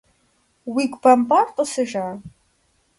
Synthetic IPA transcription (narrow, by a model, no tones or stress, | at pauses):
wiɡʷbambʼarqʼəsɨʒaː